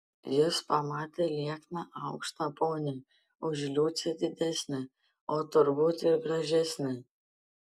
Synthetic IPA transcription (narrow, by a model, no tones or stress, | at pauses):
jɪspɐmɑːt̪ʲeːlʲiɛknɑʔɑʊkʃt̪ɐpoːnʲɛ | ʊʒʲlʲuːt̪sʲɛd̪ʲɪd̪ʲæsʲnʲɪ | oːt̪ʊɾbut̪ʲɪɾɡɾɐʒʲɛsʲnʲɪ